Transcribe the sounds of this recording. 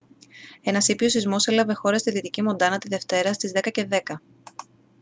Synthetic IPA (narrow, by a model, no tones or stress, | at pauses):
e̞nɐsiposizmo̞selɐve̞xo̞ɾɐst̪iðit̪icimo̞nd̪ɐnɐt̪iðe̞ft̪e̞ɾɐst̪izðe̞kɐceðe̞kɐ